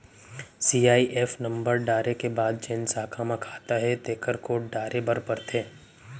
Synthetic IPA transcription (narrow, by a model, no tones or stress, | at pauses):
siːaːiʔɛːfnɐ̃mbəɾɖaːɾekebaːd̪̚t͡ʃẽːnsaːkʰaːmãkʰḁːt̪aɦɛt̪eːkəɾkoːʈ̚ɖaːɾʔebɐɾpəɾt̪ʰeː